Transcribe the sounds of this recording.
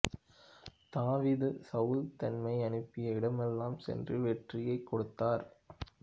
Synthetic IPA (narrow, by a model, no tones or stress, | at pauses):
t̪aːʋiːðɯsɐʊlt̪ɐnmɐɪɐnɯpːɪjɐɪɽɐmɛlːaːmsɛ̰ndrɯʋɛʈrɪjɐɪkːɔɽɯt̪ːaːɾ